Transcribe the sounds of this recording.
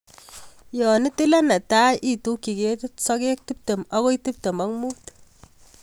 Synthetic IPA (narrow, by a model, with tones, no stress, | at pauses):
jɔ˨ni˦ti˦la˦na˨ta˦jʔi˨tu˦ki˨ke˦tu˦tsɔ˦ke˦k̚ti˦p̚te˨ma˦ko˦i˦ti˦p̚te˨ma˦ŋmu˦t